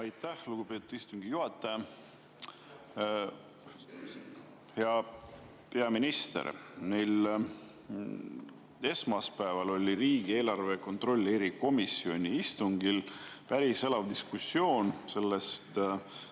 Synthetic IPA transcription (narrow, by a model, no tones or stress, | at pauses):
ɑjt̪ːæhluɡ̥upe̞ːt̪ud̪̥ist̪uŋɡ̥ijuɦɑt̪ːˑe | heɑ | pe̞ɑminist̪e̞̰rnejl | e̞smɑspæevɑlo̞lʲiɾiːɡie̞ːlɑrve̞ko̞nt̪ro̞lʲːeɾiko̞misːio̞nʲiist̪uŋɡ̥ilpæɾise̞lɑvd̪̥iskusːio̞ːnse̞lːe̞st̪